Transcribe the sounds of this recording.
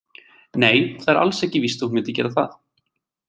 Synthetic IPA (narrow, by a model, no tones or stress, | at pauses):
neːjθaðɛɾa̰lsɛhcɪvist̪uhmɛːt̪ɪcɛ̰ːɾaθa̰θ